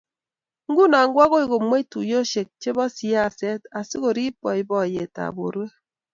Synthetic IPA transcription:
ŋ̩˦ɡu˦na˨ŋ̩˦ɡwa˦ɣo˦i˦˨ɡo˨mwe˦i˦tṵ˨jo˦ʃe˨k̚t͡ʃe˦bɔ˦si˦a˦˨sɛ˦ta˨si˦ko˨ɾi˦pɔ˨i˨bɔ˦˨je˨ta̰˨bo̰˨ɾwe˦

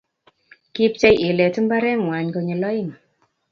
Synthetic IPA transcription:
ki˦p̚t͡ʃɛ˦˧jʔe˨lɛ˨tɨ˦mba˦ɾɛ˦ŋwa˨ɲko˨˧ɲe˨lɔ˦ɪ˦˨ŋ

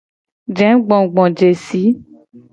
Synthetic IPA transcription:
d͡ʒɛ̃˨˦ɡ͡bɔ̃˨ɡ͡bɔ̃˨d͡ʒe˨si˨˦

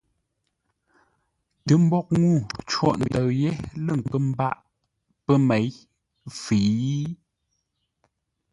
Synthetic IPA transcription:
tə˨˦m̩˦bɔ˦k̚ŋu˦˨t͡ʃwɔ̰˦˨ʔn˨də˨ɰje˦lə˦˨ŋ̩˨kə˦m̩˦ba˦˨ʔ | pə˦me˨˦j | fi˨i˦

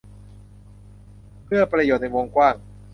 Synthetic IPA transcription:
pʰɯ˥˩ɐpɾa˧joː˨˩t̪̚na˧jwo˧ŋkwaː˥˩ŋ

